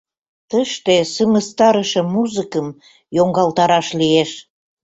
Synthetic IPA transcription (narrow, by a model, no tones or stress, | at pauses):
t̪əʃt̪esəməst̪ɑɾəʃə̆muzəkəm | joŋɡɑlt̪ɑɾɑʃlieʃ